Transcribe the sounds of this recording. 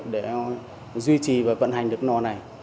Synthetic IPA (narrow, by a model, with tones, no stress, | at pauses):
ɗe˧˩ | zwi˧t͡ɕi˨˩vaː˨˩və̰˧˨nɦa˨˩ŋ̟ɗɨ˨˩ək̚nɔ˨˩na˨˩j